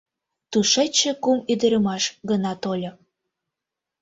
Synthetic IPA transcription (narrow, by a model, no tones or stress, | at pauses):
t̪uʃet͡ɕːĕkumyd̪əɾəmɑʃɡənɑt̪olʲo